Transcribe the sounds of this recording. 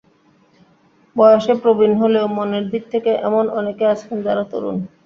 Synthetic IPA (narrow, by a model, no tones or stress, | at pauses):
bɔeoʃepɾobinɦoleomoneɾd̪ʱik̚t̪ʰekeʔɛ̰monʔɔnekeat͡ɕʰend͡ʑaɾat̪o̰ɾṵn